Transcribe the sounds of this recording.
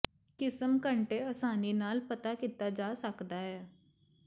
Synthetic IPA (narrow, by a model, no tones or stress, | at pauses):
kɪsəmkəɳʈeːəsaːniːnaːlpət̪aːkiːt̪aːd͡ʒaːsəkd̪aːɦɛː